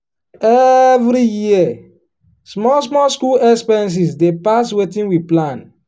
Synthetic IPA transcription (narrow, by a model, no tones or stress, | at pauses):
ɛvɾijiɛ | smɔs̬mɔskulɛkspɛɛ̃ns̬isdepaswetĩnwiplãn